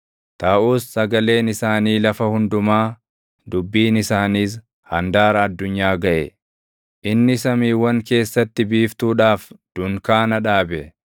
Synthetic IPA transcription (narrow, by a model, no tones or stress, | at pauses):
t̪aːʔuːsːɐɡɐle̞ːnɪsaːniːlɐfɐhʊnd̪ʊmaː | d̪ʊbːiːnɪsaːniːs̬ | hɐnd̪aːɾɐːd̪ːʊɲːaːɡɐʔɛ | ʔɪnːɪsɐmiːwɐŋke̞ːsːɐt̪ːɪbiːft̪uːᶑaːfd̪̥ʊŋkaːnɐᶑaːbɛ